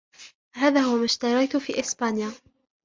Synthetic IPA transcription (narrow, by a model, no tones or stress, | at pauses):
ɦaːðaːhʊwamaːʃt̪ɑɾˤɑjt̪ʊfiːʔɪsbaːnja